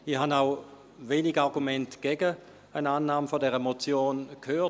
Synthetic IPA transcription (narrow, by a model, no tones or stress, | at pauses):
ihanaʊ | veːniɡaʁɡumɛntɡ̥ɛɡə | ənaːnːaːmfodɛʁəmot͡sjoːnkʰhøː